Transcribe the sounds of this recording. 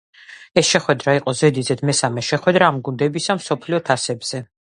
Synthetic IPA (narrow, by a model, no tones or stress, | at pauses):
ɛsʃɛχwɛd̪ɾaiqʼɔzɛd̪izɛd̪mɛsamɛʃɛχwɛd̪ɾaːmɡund̪ɛbisamsɔpʰliɔt̪ʰasɛbz̥ɛ